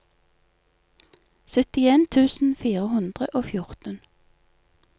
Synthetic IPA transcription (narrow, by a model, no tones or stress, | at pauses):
sœt̪ɪeːnt̪ʰʉːsn̩fiːʁəhʉnd̪ʁəʔoːfjʊʁt̪ən